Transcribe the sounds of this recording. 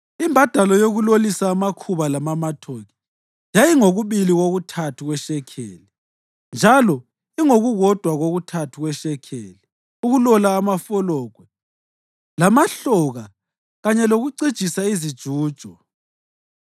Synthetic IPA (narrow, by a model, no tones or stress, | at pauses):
imbʱad̥ʱalɔjoɣulolisaːmakʰuβalamamatʰoɣi̥ | jajiŋoɣuβiliɣoɣutʰatʰuɣwɛʃɛkʰḛːli | nd͡ʒʱalɔ | iŋoɣuɣɔd̥ʱwaɣoɣutʰatʰuɣwɛʃɛkʰḛːli | uɣulɔlaːmafɔlɔːɡ̥ʱwɛ | lamaɬɔɣa | ɣaɲɛloɣuǀid̥ʒ̥ʼʱisaizid̥ʒ̥ʱuːd̥ʒ̥ʱɔ